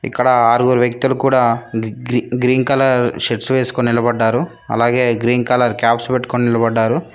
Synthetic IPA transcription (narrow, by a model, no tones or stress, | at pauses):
ḭkːɐɽɐaːɾuɡoːɾʋjɐk̚t̪ulukuːɽaː | ɡɾiːnkɐlɐɾʃeʈsʋeːsu̥koninilɐbɐɖːaːɾu | ɐ̰laːɡe̞ːɡɾiːnkɐlɐɾkjaːpspeʈːu̥koːninilɐbɐɖːaːɾu